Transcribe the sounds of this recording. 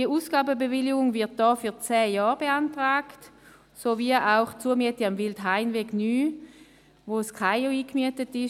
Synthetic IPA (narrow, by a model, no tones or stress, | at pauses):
d̥iəuːsɡ̥aːbəbevɪlɪɡʊŋvɪɐt̚d̥ɔːfyɐt͡sɛːjɔːʁbeantʁaːkt | soviəʔaʊχt͡suəɐmyətiamvɪldɦaɪnveːɡnyː | voskʰaɪoiːkmyətətɪ